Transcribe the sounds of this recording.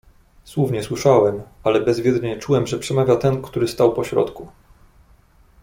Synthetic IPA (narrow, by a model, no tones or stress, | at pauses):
swuvɲɛswɘʂawɛmalɛbɛzvʲjɛd̪ɾɲɛt͡ʂuwɛmʐɛpʂɛmavʲjat̪ɛnkt̪uɾɘst̪awpɔɕɾɔ̰t̪ku